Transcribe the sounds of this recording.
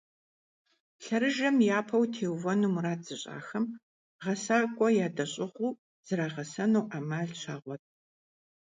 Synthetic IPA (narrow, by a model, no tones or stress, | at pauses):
ɬɐɾɨʒɐmjaːpʰɐwtʰeːwvɐnumuɾaːzɨɕʼa̰ːxɐm | ʁɐsaːkʷʼɔjaːdɐɕʼɪʁʷuː | z̥ɨɾaːʁɐsɐnuwʔaːmaːɮɕʰaːʁʷɔtʼ